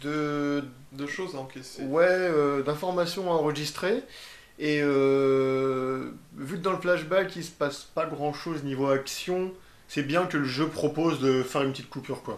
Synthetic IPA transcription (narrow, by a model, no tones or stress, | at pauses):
d̪ə | d̪əʃozaɑ̃kʲeswɛød̪ɛ̃fɔʁmasjɔ̃aɑ̃ʁəʒist̪χe | eø | vyd̪ɑ̃ləflaʒbajkʲisə̥paspaɡʁɑ̃ʃoznivoaksjɔ̃ | sɛbjɛ̃kələʒøpχɔpozd̪əfɛʁynpət̪it̪̚kupyʁkwa